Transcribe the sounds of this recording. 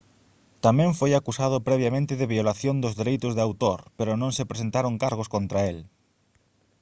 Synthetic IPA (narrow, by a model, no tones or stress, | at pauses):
t̪amɛ̃ɱfojakusað̞ʊpɾɛβ̞jamẽnt̪ɪðɪβiolaθjond̪ʊzðeɾejt̪ʊzðeawt̪oɾpeɾʊnõŋsɪpɾesent̪aɾoŋkaɾɣ̞oskont̪ɾael